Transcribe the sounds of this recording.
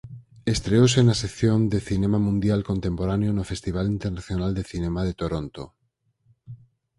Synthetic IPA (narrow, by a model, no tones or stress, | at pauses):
est̪ɾeosenasekθjond̪eθinemamũnd̪jalkont̪empoɾanjonofest̪iβ̞alint̪eɾnaθjonald̪eθinemað̞et̪oɾont̪o̰